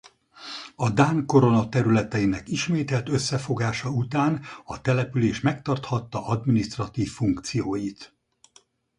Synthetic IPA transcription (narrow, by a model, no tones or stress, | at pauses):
ɒd̪aːŋko̞ɾo̞nɒt̪ɛɾylɛt̪ɛinɛkiʃmeːt̪ɛlt̪ø̞sːɛfo̞ɡaːʃɒut̪aːnɒt̪ɛlɛpyleːʃmɛk̚t̪ɒrt̪hɒt̪ːɒʔɒd̪minist̪rɒt̪iːfːuŋkt̪sijoːjit̪